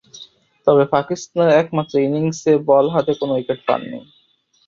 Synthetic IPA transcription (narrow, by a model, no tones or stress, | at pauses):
t̪ɔbepakist̪aneɾɛkmat̪ːɾoiniŋsebɔlɦat̪ekonowikeʈpa̰nːḭj